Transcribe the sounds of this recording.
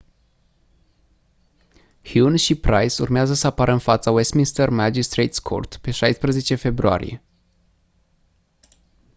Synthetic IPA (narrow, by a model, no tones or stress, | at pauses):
xjunɕipɾajsṵɾmʲjazasapaɾɛmfat̪sawɛst̪mʲinst̪ɛɾmad͡ʒist̪ɾɛjt̪skʰɔ̰ɾt̪pɛʂajspɾɛzɛt͡ɕɛfɛbɾua̰ɾʲjɛ̰